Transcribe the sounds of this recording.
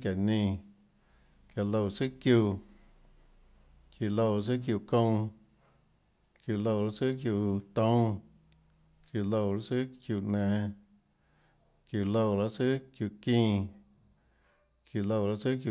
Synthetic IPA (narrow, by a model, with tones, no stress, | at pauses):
kja˨nĩː˧ | kja˧˨lo˧wt͡sɨ˦kju˧˨ | kju˧˨lo˧˨ɾs̬ɨ˦kju˧˨kõ˦˧w̃ | kju˧˨lo˧wɾa˧t͡sɨ˦kju˧˨t̪õ˦w̃ | kju˧˨lo˧˨ɾa˦t͡sɨ˦kju˧˨ʔnɛ̃ː˨ | kju˧˨lo˧˨ɾa˧t͡sɨ˦kju˧˨kĩː˧ | kju˧˨lo˧wɾa˧sɨ˦kju˧